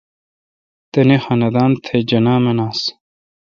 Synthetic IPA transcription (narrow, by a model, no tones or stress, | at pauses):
t̪enexɐnɐd̪aːnt̪ʰed͡ʑɐnaːmenaːs